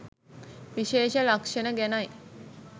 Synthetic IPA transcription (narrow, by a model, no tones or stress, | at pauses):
ʋiʃeːʃəlakʂənəɡænaj